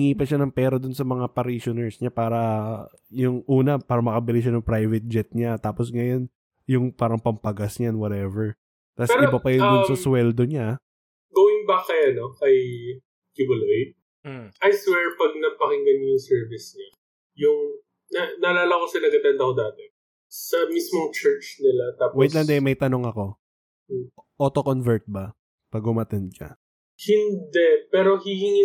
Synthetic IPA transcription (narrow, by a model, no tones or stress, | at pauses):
ɪŋiːpɐʃanɐŋpɛːɾɐd̪ʊnsɐmɐŋapɐɾiʃonɛɹsɲapaːɾɐ | jʊŋʔuːnɐpaːɾɐmɐkɐbɪlɪʃ̬anʊŋpɾajvɛt̪̚d͡ʒɛt̪̚ɲat̪aːposŋɐjon | jʊŋpaːɾɐŋpɐmpɐɡasɲaɛnwɐt̪ɛvɛɹ | t̪asɛɾɪobɐpɐjʊnd̪ʊnsɐswɛld̪oɲa | ɡoːwɪŋbakːɐjanokɐj | kibɐloj̚ | ɐjswɛɹpɐɡ̚nɐpɐkɪŋɡɐnjjʊŋsɛɹvɪsɲa | jʊŋ | nɐnɐlaːlɐkosɐnɐɡɐt̪ɛnd̪ɐkod̪aːt̪ɛ | sɐmismoŋt͡ʃɛɹt͡ʃnɪlat̪aːpwoɛt̪lɐnd̪ɛmɐjt̪ɐno̞ŋɐko̞ | ʔot̪okonvɛɹt̪̚bɐ | pɐɡʊmɐt̪ɛnd̪̚t͡ʃɐ̰ | hɪnd̪ɛpɛːɾo̞hihiŋi